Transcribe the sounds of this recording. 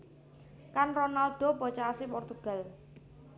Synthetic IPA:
kanrɔnalɖ̥o̤bɔt͡ʃaasipɔrt̪uɡ̥a̤l

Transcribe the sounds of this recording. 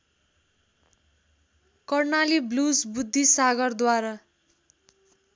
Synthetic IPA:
kʌrnaliblusbud̪ʱːisaɡʌrd̪waɾa

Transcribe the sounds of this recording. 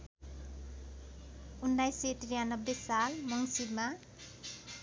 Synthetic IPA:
unːajseʈiɾijanʌbːesalmʌŋsibma

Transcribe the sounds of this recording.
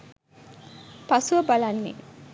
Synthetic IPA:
pasuʋəbalanːḛ

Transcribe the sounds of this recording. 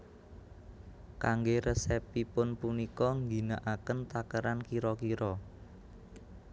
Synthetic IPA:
kaŋɡeɾəsɛpipʊnpunikɔŋɡinaʔakənt̪akəɾankiɾɔkiɾɔ

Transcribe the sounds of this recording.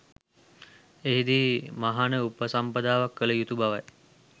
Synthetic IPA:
eɦid̪iːmaɦanəupəsampəd̪aːʋakːələjut̪ubaʋaj

